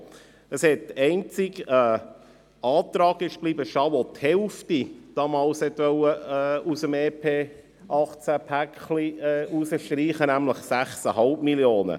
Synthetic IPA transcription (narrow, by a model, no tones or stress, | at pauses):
əshɛt̚ɛɪnt͡siɡɛː | ɑːtɾɑːɡɪʃb̥liːbəʃɑʋothɛlftid̥ɑːmɑːlshɛt̪ʋœwəːusəmeːpʰeː | ɑχt͡sæpʰækχliɛːʔusəʃtɾiːχənæmləχsæχsəɦɑlpmiljoːnə̰